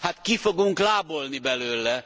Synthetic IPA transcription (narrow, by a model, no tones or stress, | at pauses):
hat̪kifoɡuŋklaːbolnibɛløːlɛ